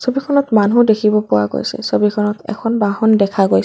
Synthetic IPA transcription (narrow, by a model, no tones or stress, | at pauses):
sobikʰɔnɔtmanudekʰibɔpʊwa̰ɡo̰jsɛ̰sobikʰɔnɔtɛ̰kʰɔnbaɦɔndɛkʰaɡojs